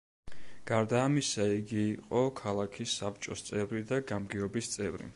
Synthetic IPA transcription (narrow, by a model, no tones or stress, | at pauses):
ɡ̥aɾd̪aːmisaiɡiːqʼɔkʰalˠakʰisːap̚ʰt͡ʃʼɔst̪sʼɛvɾid̪aɡamɡiɔbist̪sʼɛvɾḭ